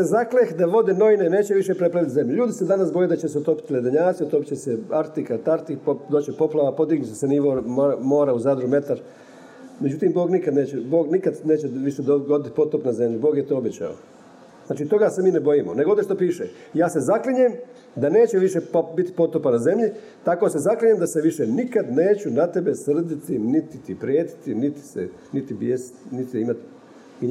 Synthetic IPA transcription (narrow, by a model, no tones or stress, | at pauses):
sezaklexd̪aʋo̞d̪ino̞ʋinene̞ːt͡ɕeʋiʃe̞pɾepɾaʋit̪ze̞mʎuʎuːd̪ised̪anasbo̞jed̪at͡ɕeseot̪o̞pi̥t̪iled̪aɲaːt̪siot̪opi̥t͡ɕeseaɾt̪ikat̪aɾt̪ipod̪oːt͡ɕepo̞plˠaʋapo̞d̪iɡnut͡ʃeseniʋoɾomo̞ːɾauzad̪ɾume̞t̪aɾ | med͡ʑut̪imbo̞ːɡnikad̪ne̞ːt͡ɕebo̞ːɡnikad̪ne̞ːt͡ɕeʋiʃed̪oɡod̪it̪i̥po̞t̪opnaze̞mʎubo̞ːɡjet̪oːobet͡ɕa̰o̰ | znaːt͡ʃit̪o̞ɡasemiːnebo̞jimoneɡood̪jeʃt̪opiːʃe | jaːse̞zakliɲem | d̪ane̞ːt͡ɕeʋiʃe̞bit̪i̥po̞t̪opanaze̞mʎi | t̪ako̞se̞zakliɲemd̪aseʋiʃenikad̪ne̞ːt͡ɕunat̪e̞be̞sr̩d̪it̪init̪it̪ipɾijeːt̪i̥t̪init̪i̥sḛ | nit̪ibjesi̥t̪nit̪iimat̪